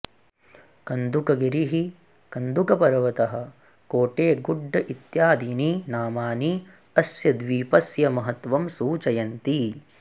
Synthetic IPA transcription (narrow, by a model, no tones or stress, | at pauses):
kɐnd̪ukɐɡiɾiɦi | kɐnd̪ukɐpɐɾɐʋɐt̪ɐɦɐ̆ | koːʈeːɡuɖʱːɐʔit̪jaːd̪ininaːmaːni | ɐsjɐd̪ʋiːpɐsjɐmɐɦɐt̪ʋɐmsuːt͡ʃɐjɐnt̪i